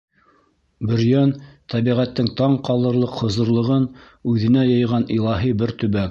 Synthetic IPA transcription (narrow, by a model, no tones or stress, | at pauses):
bɵ̆ɾjœnt̪ʰæβiʁæt̪ːɘŋt̪ɑɴqɑlˠɤ̆ɾlˠɤqhŏzɤ̆ɾlˠɤ̆ʁɤn | ʉðɘ̆næjɤ̆jʁɑnilˠɑɦibɘɾt̪ɵ̆βæk